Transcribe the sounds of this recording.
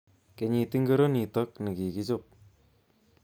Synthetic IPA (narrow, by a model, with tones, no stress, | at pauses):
ke˨ɲi˨ti˦ŋɡo˦ɾo˦ni˨tɔ˦k̚nɪ˨ki˨ki˦t͡ʃop̚